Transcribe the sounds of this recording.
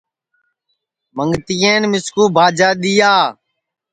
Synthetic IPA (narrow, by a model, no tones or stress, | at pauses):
məŋɡt̪iːeːnmɪskuːbʱaːd͡ʒaːɗ̪iːjaː